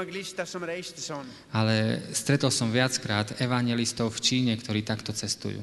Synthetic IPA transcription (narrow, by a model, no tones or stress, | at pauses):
ɡliʃt̪asɔmɾɛʃt̪sɔn | alɛst̪ɾɛt̪ɔlsɔmʋɪat͡skɾaːd̪ɛʋaɲɪjɛlist̪ɔʊft͡ʃiːɲɛkt̪ɔɾiːt̪akt̪ɔt͡sɛst̪ṵjṵː